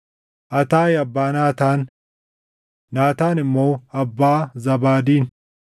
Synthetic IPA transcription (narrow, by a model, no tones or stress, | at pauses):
ʔɐt̪aːjɐbːaːnaːt̪aːn | aːt̪aːnɪmːo̞ːɐbːaːzɐbaːd̪iːn